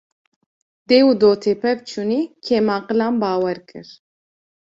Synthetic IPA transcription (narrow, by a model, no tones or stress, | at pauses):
d̪̥eːwud̪oːt̪ʰepʰɛvt͡ʃʰuniːkʰeːmɑːqɨlaːnbɑːwɛɾkʰɨ̰ɾ